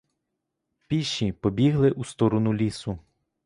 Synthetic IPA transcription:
pʲiʃːipɔbʲiɦlˠɪʔust̪ɔɾɔnʊlʲisʊ

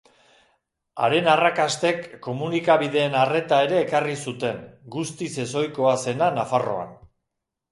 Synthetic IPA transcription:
a̰ɾe̞narakast̪e̞kːo̞munikaβ̞iðe̞ːnare̞t̪ae̞ɾe̞ːkarisut̪e̞ŋɡust̪ise̞so̞jko̞ase̞nanafaro̞̰a̰n

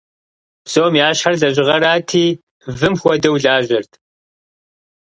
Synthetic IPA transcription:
bsoːmjaːɕħɐrɮɐʑɪʁɐɾaːtʰiː | vɨmxʷɔdɐwɮaːʑʷɪrtʰ

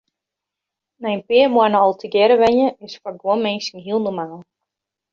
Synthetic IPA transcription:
nɛjənpɪəmwanɔɔlˠtʰəɡɛɾəʋɛɲjəɪsfaɡwonmɛnsŋ̩ɦiəlˠnɔmaːlˠ

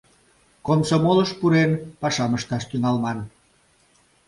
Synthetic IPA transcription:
konsomoləʃpuɾenpɑʃɑməʃt̪ɑʃt̪yŋɑlmɑn

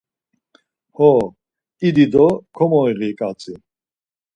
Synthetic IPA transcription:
hɔ | id̪id̪ɔkʰɔmɔiɣikʼat͡sʰʼi

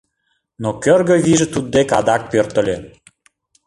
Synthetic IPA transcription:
nokørɣə̆βiʒət̪ud̪̚ːekɑ̰d̪ɑk̚pørt̪ə̆lʲe

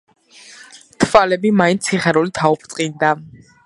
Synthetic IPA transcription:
t̪ʰvalɛbimaint̪sʰiχɛɾulit̪ʰaupʰɾt̪sʼqʼind̪a

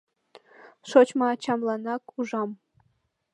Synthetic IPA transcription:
ʂot͡ɕmɑːt͡ɕɑmlˠɑnɑkuʐɑm

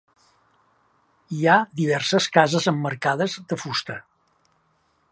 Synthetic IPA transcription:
iaðiβ̞ɛrsəskazəzəmːəɾkaðəzðəfust̪ə

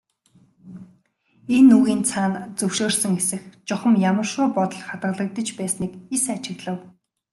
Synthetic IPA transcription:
enːuɣiːnt͡sʰaːnt͡sɵwʃoːrsə̆ŋesɘ̆xt͡ɕɔχə̆mjamə̆rʃʊːpɔt̪ɞ̆ɮχat̪̚ɢə̆ɮə̆k̚t̪ə̆t͡ɕpæːsniːkesat͡ɕɪ̆ɣɮə̆w

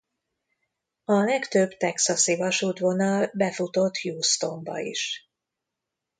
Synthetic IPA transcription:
ɒlɛkt̪øbt̪ɛksɒsivɒʃuːt̪vo̞nɒlbɛfut̪o̞t̪ːjuːst̪o̞mbɒ̰ḭʃ

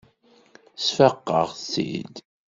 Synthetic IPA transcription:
sfəqːə̰ʁsḭd̪

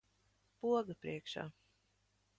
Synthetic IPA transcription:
puɔɡapɾiɛkʃa̰ː

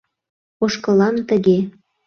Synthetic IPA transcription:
oʃkɤ̆lɑnt̪əɣe

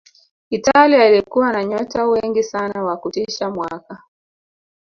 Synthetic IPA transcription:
italiailikuwanaɲɔtawɛŋɡisanawakutiʃamwaka

